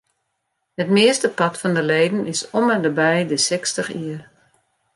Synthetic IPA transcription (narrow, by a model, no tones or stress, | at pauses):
hətmɪəstəpɑtfɔndəleːdən̩ɪsɔmɛndəbɛjdəsɛkstəxiər